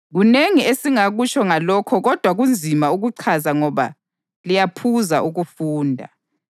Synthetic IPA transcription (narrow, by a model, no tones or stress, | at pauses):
ɣuneŋiesiŋaɣut͡ʃʰɔŋalɔkʰɔɣɔd̥ʱwaɣund͡zʱimauɣuǀʰazaŋɔβa̰ | lijapʰuza̰ʔuɣufuːndʱa̰